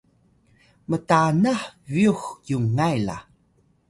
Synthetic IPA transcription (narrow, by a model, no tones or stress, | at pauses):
mətanaħviuxjuŋŋajla̰